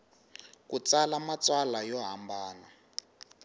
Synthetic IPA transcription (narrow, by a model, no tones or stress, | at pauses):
kut͡salamat͡swalajɔɦambaːna